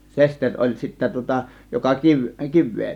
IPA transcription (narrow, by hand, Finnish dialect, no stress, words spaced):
sesterʲ olʲ sitːæ tŭŏtɑ jokɑ kiʋ kiʋˑeː